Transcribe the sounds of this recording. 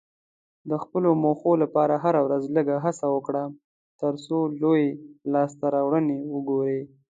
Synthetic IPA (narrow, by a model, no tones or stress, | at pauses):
d̪əxpəlomoxolapɑɾaɦaɾawɾazləɡaɦasawəkɽa | t̪əɾsolojelɑst̪aɾɑwɽənewəɡoɾe